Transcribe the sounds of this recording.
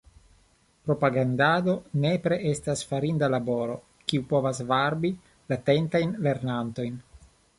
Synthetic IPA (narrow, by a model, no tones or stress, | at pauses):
pɾo̞paɡand̪ad̪o̞ne̞pɾeʔestasfaɾindalabo̞ɾo̞ | kiupo̞vasvaɾbi | latent̪ajnle̞ɾnanto̞jn